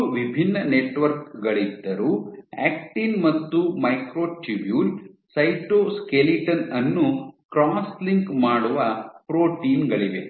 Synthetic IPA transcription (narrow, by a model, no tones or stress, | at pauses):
ʋibʱinːɐneʈʋɐɾk̚ɡɐɭid̪ːɐɾuɛ̰ːk̚ʈiːnmɐt̪ːumɐjkɾoːʈɾibjuːl | sɐjʈoːskeliʈɐnɐnːukɾaːsliŋkmaːɽuʋɐpɾoːʈiːnɡɐɭiʋḛ